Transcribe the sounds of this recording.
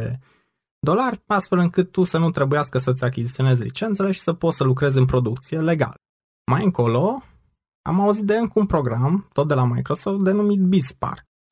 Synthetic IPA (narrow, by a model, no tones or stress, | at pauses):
e | d̪o̞larʲast̪fe̞lɨŋkɨt̪ːusənut̪ɾe̞bujaskəsət̪sʲakʲizit̪io̞ne̞zʲlḭt͡ʃe̞nt̪se̞leʃi̥səpo̞t̪səlukɾe̞zɨnpɾo̞d̪ukt̪sije̞le̞ɡa̰l | majɨŋko̞lo̞ | a̰mauzit̪̚d̪eɨŋkunpɾo̞ɡɾamt̪o̞t̪̚d̪e̞lamajkɾo̞so̞ft̪̚d̪e̞numit̪̚bispa̰rk